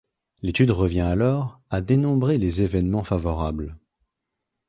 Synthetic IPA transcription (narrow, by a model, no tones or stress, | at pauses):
let̪yd̪ʁəvjɛ̃alɔʁad̪enɔ̃bʁelezevɛnmɑ̃favɔʁabl